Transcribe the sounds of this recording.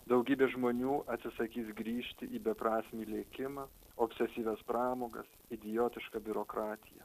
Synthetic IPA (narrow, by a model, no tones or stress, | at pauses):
d̪ɒʊɡʲiːbʲeːʒmoːnʲuːʔɐt̪ʲsʲɪsɐkʲiːsɡɾʲiːʃʲt̪ʲɪʔiːbʲɛpɾɑːsʲmʲiːlʲeːkʲɪmɑ | oːpʲsʲɛsʲiːʋʲɛspɾɑːmoːɡɐ̰s | ɪd̪ʲɪjoːt̪ʲɪʃkɑbʲʊɾoːkɾɑːt̪ʲɪjɛ̰